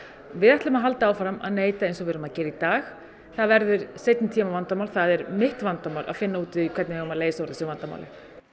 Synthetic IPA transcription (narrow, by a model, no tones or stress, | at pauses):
vɪðɛht̪lʏmaðɦalt̪aaːwfɾama̰ðneːjt̪aejnsɔvɛɾʏmaðcɛːɾɪit̪aːx | θaðvɛɾðʏɾsejt̪nɪt̪ʰiːmavant̪amawlθaðɛɾmɪht̪vant̪amaːwlʔa̰ðfɪnːauːt̪ɪkʰvɛɾt̪nɪɣʏmaleːjsaɔɾðɪsɛvant̪ama̰wlɪ̰